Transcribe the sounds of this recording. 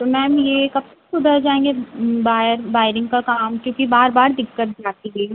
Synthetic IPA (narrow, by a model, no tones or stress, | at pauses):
t̪omɛ̃ːɐmjekɐb̚sesʊd̪ʱəɾd͡ʒaːẽːŋɡebaːjəɾbaːɪɾɪ̃ŋɡkakaːmkjõːkibaːɾbaːɾd̪ɪkːəʈ̪̚d͡ʒaːt̪iɦeː